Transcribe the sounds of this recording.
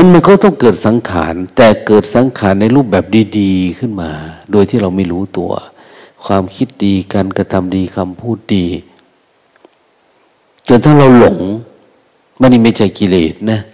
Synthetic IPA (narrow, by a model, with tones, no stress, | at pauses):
ma˧˥˨nma˧˥˨nkɔː˥˩t̪ɔ˥˩ŋkɤː˨˩t̪̚sa˨˦ŋkʰa̰ː˨˩˦nt̪ɛː˨˩kɤː˨˩t̪̚sa˨˦ŋkʰaː˨˦nːa˧jluː˥˩p̚bɛː˨˩p̚diː˧˩diː˧kʰɯ˧˥˩nmaː˧doː˧jt̪ʰiː˧˥˩ɾa˧wmi˧˥˨luː˧˥˩t̪ṵ˧ɐ̰ | kʰwaː˧mkʰi˦˧˥t̪̚diː˧kaː˧nka˧t̪ʰa˧mdiː˧kʰa˧mpʰuː˥˩t̪̚diː˧ | t͡ɕo˧nt̪ʰaː˧˥˩ŋɾa˧wlo˨˦ŋ | ma˧˥˨nːi˧˩ma˧˥˩t͡ɕa˧˩jki˧lḛː˨˩t̪̚na˦˧˥